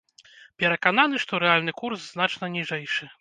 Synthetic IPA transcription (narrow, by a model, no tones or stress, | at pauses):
pʲɛɾɐkan̪anɨʂt̪ɔɾɛalʲnɨkursznat͡ʂnɐnʲiʐɛjʂɨ